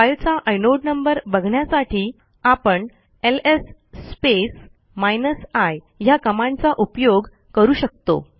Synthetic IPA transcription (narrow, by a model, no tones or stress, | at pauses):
ajlt͡saʔəjnoɖnəmbəɾbəɡʱɳjasaʈʰiː | apəɳ | elesː | pes | majnəsaj | jakəmãnt͡saʔupjoɡ | kəɾuːɕək̚t̪o̰